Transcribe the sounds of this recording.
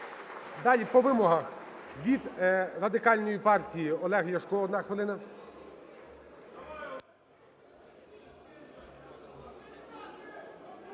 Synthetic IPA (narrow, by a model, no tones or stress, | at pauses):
d̪ɑlʲipɔʋɪmɔɦɐxʋʲid̪rɐd̪ɪkɑlʲnɔjipɑrtʲijiɔlˠɛɦjɐʃkɔɔd̪nɑxʋɪlˠɪnɐ